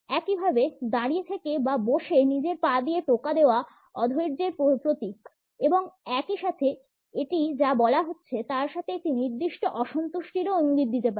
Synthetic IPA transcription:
ɛkibʱabed̪aɽijet̪ʰekebaboʃenid͡ʑeɾpad̪ijeʈokad̪eoa | ɔd̪ʱojɾd͡ʑeɾpopɾot̪ik | eboŋɛkiʃat̪ʰe | eʈid͡ʑabɔlaɦotːɕʰet̪aɾʃat̪ʰeek̚ʈiniɾd̪iʃʈoʔɔʃont̪oʃʈiɾoiŋɡit̪̚ːit̪epaɾe

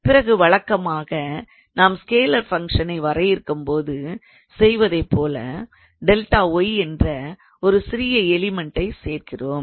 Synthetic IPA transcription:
pɪɾɐɣɯʋɐɭɐkːɐmaːɣɐ | naːmskeːlɐɾfɐŋʂɐnɐɪʋɐɾɐjɪɾɯkːɯmpoːðɯ | sɛjʋɐðɐɪpːoːlɐ̰ | ɖɛlʈaːɔjɛndrɐ | ɔɾɯsɪɾɪjɐɛlɪmɛɳʈːɐɪseːrkɪroːm

